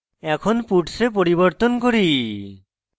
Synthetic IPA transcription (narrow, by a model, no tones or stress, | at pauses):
ɛkʰonpuʈsep̬oɾiβoɾt̪onkoɾi